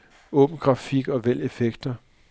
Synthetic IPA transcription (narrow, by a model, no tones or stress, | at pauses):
ɔ̽b̥n̩ɡ̥ʁɑ̈fiɡ̥ɒ̽ʋel̰efeɡ̥d̥ɐ